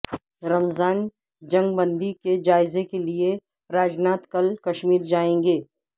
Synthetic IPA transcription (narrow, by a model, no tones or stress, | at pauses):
ɾɐmzaːn | d͡ʒɐ̃ŋɡbə̃nd̪iked͡ʒaːɪzekelie | ɾaːd͡ʒnaːt̪kɐlkɐʃmiːɾd͡ʒaːẽːŋɡeː